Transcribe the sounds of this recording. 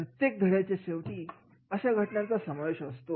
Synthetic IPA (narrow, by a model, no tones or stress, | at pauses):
ɾət̪jek̚d̪ʱəɽjat͡ɕeɕeʋʈ̪iː | əɕaɡʱəʈɳjãt͡sasəmaʋeɕəst̪o